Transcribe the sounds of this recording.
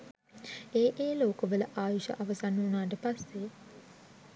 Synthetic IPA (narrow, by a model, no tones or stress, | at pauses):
eːʔeːloːkəʋələʔaːjuʃə̰ʔaʋəsanːuːnaːʈ̬əpasːe